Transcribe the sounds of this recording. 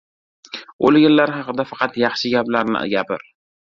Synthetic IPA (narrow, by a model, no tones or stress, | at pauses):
olɡʲɪlːaɾhɑqɨd̪afɑqʰɑt̪jɑχʃɪɡʲablaɾnɪ̰ʔa̰ɡʲapɪɾ